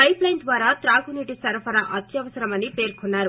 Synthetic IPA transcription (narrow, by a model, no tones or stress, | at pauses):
ɐjplɐjnd̪ʋaːɾaːt̪ɾaːɡuniʈisɐɾpɐnɐʔɐt̪jɐʋɐsɐɾɐmɐnipe̞ːɾkunːaːɾu